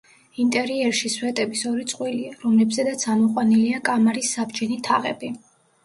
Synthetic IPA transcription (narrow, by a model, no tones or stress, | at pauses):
int̪ʼɛɾiɛɾʃiswɛt̪ʼɛbisɔɾit̪sʼqʼwiliaɾɔmlɛbzɛd̪at̪sʰamɔqʼwaniliakʼamaɾisːabd͡ʒɛnit̪ʰaʁɛ̰bi